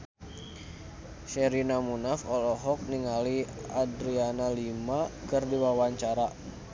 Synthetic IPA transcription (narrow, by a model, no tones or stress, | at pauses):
ʃɛɾinamunafɔlɔɦɔk̚niŋaliadɾianalimakɨrdiwawaɲt͡ʃaɾa